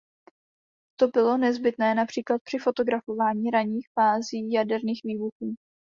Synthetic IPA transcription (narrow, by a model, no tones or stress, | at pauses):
t̪o̞bɪlo̞nɛzbɪt̪nɛːnapr̥iːklat̪̚pr̥ɪfo̞t̪o̞ɡɾafo̞vaːɲiːɾaɲiːxfaːziːjadɛɾniːxviːbuxuː